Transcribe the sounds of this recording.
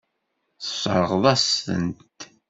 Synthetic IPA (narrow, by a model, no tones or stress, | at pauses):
θə̥sˤʕəʁðˤɑsə̰nt̪